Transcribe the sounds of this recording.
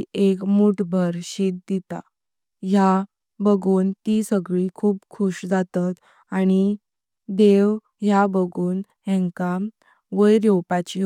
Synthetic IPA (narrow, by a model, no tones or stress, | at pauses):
ekmuʈʰbʱəɾɕet̪̚d̪it̪a̰ | ja | bəɡuːnt̪isəɡɭikʰuːpkʰuɕd͡zat̪at̪ | aɽ̃i | d̪eʋ | ɦjabəɡuːn | ɦɛ̃ŋka | ʋəjɾjɔwpat͡ɕi